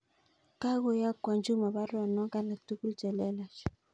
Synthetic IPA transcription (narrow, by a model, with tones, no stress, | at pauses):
ka˦ɣo˦ja˦kwa˨nd͡ʒu˦ma˨ba˦ɾɔ˨nɔ˦ka˦na˨tu˦ku˦lt͡ʃɛ˨lɛ˦la˨ʃ